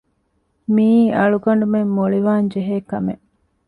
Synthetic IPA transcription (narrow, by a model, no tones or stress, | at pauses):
miːɐɭuɡɐɳ̆ɖumemːoɭiʋaːɲd͡ʒeɦeːkɐmeʔ